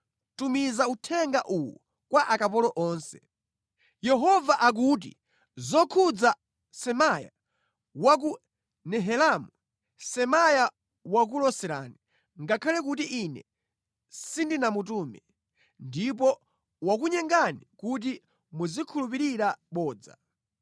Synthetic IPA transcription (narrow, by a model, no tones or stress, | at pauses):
tumizautʰɛŋɡaʔuwu | kwaʔakapɔlɔʔɔːnsɛ̥ | jɛɦɔvaʔak̬ut̬ḭ | zɔkʰud͡za | sɛmaja̰ | wak̬u | nɛɦɛlamu | sɛmaja | wak̬ulɔsɛɾa̰ːni | ŋɡakʰalɛk̬utiʔinɛ̰ | sindinamut̬umɛ | ndip̬ɔ | wak̬uɲɛŋɡanikut̬i | muzikʰulup̬iɾiɾaɓɔːd͡za̰